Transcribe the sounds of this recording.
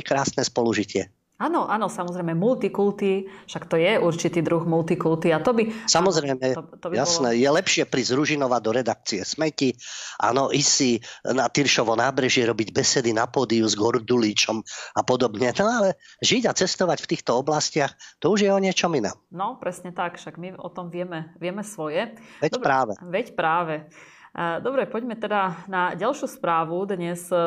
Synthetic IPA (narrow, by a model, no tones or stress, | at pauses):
kɾaːsnɛspɔluʒicɪɛ | aːnɔʔanɔsamɔzɾɛjmɛmult̪ikult̪iʃakt̪ɔjɛʔuɾt͡ʃit̪iːd̪ɾuɣmult̪ikult̪iat̪ɔbisamɔzɾɛjmɛt̪ɔbjasnɛjɛlɛpʃɪɛpɾizɾuʒinɔʋad̪ɔɾɛd̪ak̚t͡siɛsmɛciʔa̰ːnɔʔisinat̪iɾʃɔʋɔnaːbɾɛʒɪɛɾɔbiɟbɛsɛd̪inapɔːd̪iuzɡɔɾd̪ulit͡ʃɔmapɔd̪ɔbɲɛnɔalɛʒiɟat͡sɛst̪ɔʋacft̪iːxt̪ɔɔblascɪaxt̪ɔuʒjɛɔɲɪɛt͡ʃɔminɛ̰ːmnɔpɾɛsɲɛt̪akʃaɡmiɔt̪ɔmʋɪɛmɛʋɪɛmɛsʋɔjɛʋɛdpɾaːʋɛʋɛcpɾaːʋɛ | d̪ɔbɾɛpɔɟmɛt̪ɛd̪anaɟalʃuspɾaːʋud̪ɲɛs